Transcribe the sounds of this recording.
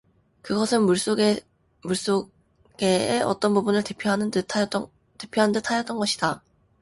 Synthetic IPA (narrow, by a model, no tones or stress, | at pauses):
kɯɡʌsʰɯnmuɭs͈oɡ | muɭs͈o | ɡ̥eeʔʌ̰t͈ʌnbubunɯɭtepʰjoɦanʰ | tepʰjoɦandɯtʰajʌt͈ʌnɡʌɕʰi̥d̥a